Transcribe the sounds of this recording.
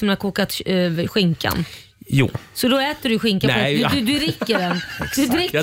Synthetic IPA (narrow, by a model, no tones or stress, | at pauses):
smɛnakʰuːkat̪ɧɪŋka̰n | jṵːsɔd̪ɔɛːt̪əɖɵɧɪŋkad̪d̪d̪ɵɾɪkːəɖɛnd̪ɾɪ